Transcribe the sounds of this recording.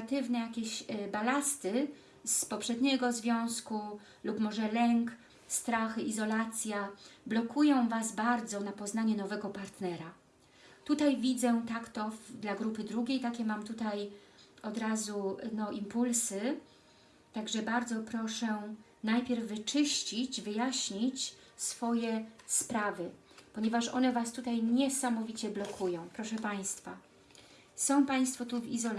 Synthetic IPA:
t̪ɘvnɛjakʲeɕbalast̪ɘ | spɔpʂɛd̪ɲɛɡɔzvʲjɔ̃w̃sku | lupmɔʐɛlɛŋk | st̪ɾaxɘʔizɔlat̪sʲjablɔkujɔ̃w̃vasbaɾd̪zɔnapɔznaɲɛnɔvɛɡɔpaɾt̪nɛɾa | t̪ut̪ajvʲid̪zɛt̪akt̪ɔvd̪laɡɾupɘd̪ɾuɡʲejt̪akʲɛmamt̪ut̪aj | ɔd̪ɾazunɔʔimpulsɘ | t̪aɡʐɛbaɾd̪zɔpɾɔʂɛ | najpʲjɛɾvːɘt͡ʂɘɕt͡ɕit͡ɕvɘjaɕɲit͡ɕ | sfɔjɛspɾavɘ | pɔɲɛvaʂɔ̰nɛvast̪ut̪ajɲɛsamɔvʲit͡ɕɛblɔkʰujɔ̃w̃pɾɔʂɛpaj̃st̪fa | sɔ̃w̃paj̃st̪fɔt̪uvḭzɔl

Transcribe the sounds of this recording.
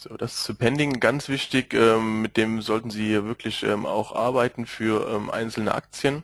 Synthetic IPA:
z̥oːd̥asɪ̥st͡supʰɛndɪŋɡ̥ant͡sv̥ɪçtɪçʔɛːmːɪt̚d̥eːmzɔltn̩ziːvɪɐkʰlɪçʔɛ̰ːma̰ʊxʔa̰ɐbaɪtn̩fyːɐʔɛːmʔa̰ɪnt͡sl̩nə̰ʔa̰k̚t͡sjən

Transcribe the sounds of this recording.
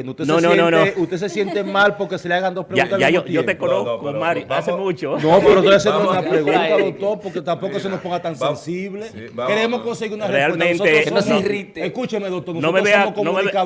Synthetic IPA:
nut̪eneonononoust̪esesje̞nt̪emalpoɾkeseleaɣand̪o̞spɾeaunaʝaoʝot̪ekonoskkomaɾjasemut͡ʃonopeɾot̪oas̬emosunapɾeɣunaðok̚t̪o̞ɾpoɾket̪ampokosenospoŋɡat̪ansensiβlekeɾemoskonseɣiɾunarerealemẽnsoenosirit̪eeskut͡ʃemeðokt̪oɾnonoomeβeeamokomnomeβeka

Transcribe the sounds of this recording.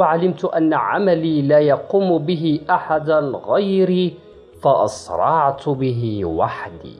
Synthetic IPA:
aʕalɪmt̪ʔanːaʕa̰maliːlaːjɑquːmbɪɦɪʔaħad̪aɣajɾi | faʔɑ̰sɾˤɑʕt̪bɪɦɪwaħd̪ḭː

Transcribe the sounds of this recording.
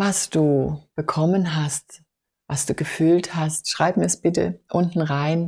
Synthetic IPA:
vasd̥uːb̥əkʰɔmənɦast | vasd̥uːɡəfyːlthastʃʁ̥aɪpmiːɐɛsb̥ɪtə̰ʔʊntn̩ʁaɪn

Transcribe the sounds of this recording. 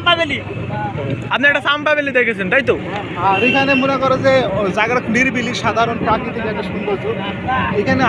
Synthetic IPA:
pabeli | apnieʈasampabelid̪ekʰet͡ɕʰint̪aɦjt̪o | ɦãɾik̪ʰanemunekɔɾed͡zed͡zaɡɾakniɾbiliʃad̪ʱaɾɔnpɾakit̪ikd͡zaɡaʃumbɔlt͡sʰu | ejkʰane

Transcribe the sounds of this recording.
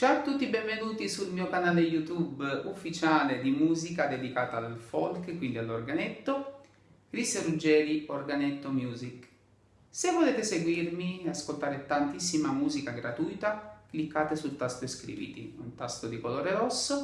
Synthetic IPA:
t͡ʃat̪ːut̪ːibɛɱvenuːt̪isulmiːokanaːlejut̪ubufːit͡ʃaːled̪imuːzikad̪ed̪ikaːt̪aːlfɔlkkwind̪ialːorɡanɛt̪ːo | kɾiserud͡ʒɛːɾiorɡanɛt̪ːomjuːzik | sevːoleːt̪eseɡwirmieaskolt̪aːɾet̪ant̪isːimamuːzikaɡɾat̪ujt̪aklikːaːt̪esult̪ast̪oeskɾḭvḭːt̪ḭṵnt̪ast̪od̪ikoloːɾeɾɔsːo

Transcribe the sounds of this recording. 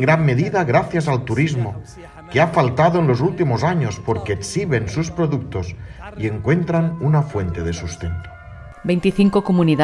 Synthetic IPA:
ŋɡɾamme̞ðiðaɣ̞ɾaθjasalt̪uɾizmo | keafalt̪aðoenlo̞zult̪imozaɲospoɾkeːksiβ̞e̞nsuspɾoðuk̚t̪os | ie̞ŋkwe̞nt̪ɾanunafwe̞nt̪eðe̞sust̪ent̪o̥ | bejnt̪iθiŋkokomuniða

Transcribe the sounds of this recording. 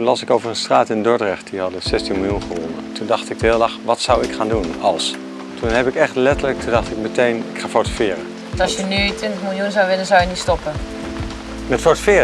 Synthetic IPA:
lɑsɪkowvərənstra̰ːtɪndɔɹdrɛχt̚diɦɑdəsɛstinmɪlˠjunχəʋɔ̰nəntundɑχtɪɡ̚dəɦɪːlˠlɑχʋɑtsawɪkχaːndunɑlˠs | tunɦɛpɪkɛχtlɛtələk̚tʰundɑχtɪk̚mətejnɪkχaːfoɹtəfɪːrə̰ | ɑsjənytʋɪntəχmɪlˠjunzawʋɪlənzawjənitstɔpə | mɛtfɔɹtəfɪː

